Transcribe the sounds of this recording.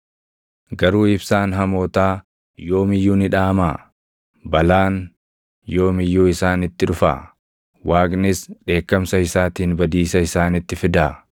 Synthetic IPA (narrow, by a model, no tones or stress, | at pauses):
ɡɐɾuːɪbsaːnɦɐmo̞ːt̪aː | jo̞ːmɪjːuːnɪᶑaːmaː | bɐlaːn | jo̞ːmɪjːuːɪsaːnɪt̪ːɪᶑʊfa̰ː | waːknɪsᶑe̞ːkːɐmsɐɪsaːt̪iːnbɐd̪iːsɐɪsaːnɪt̪ːɪfɪd̪aː